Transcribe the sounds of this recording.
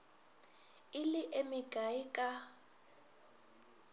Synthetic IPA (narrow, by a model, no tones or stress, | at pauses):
iliʔemiɡ̥ʱaikʼa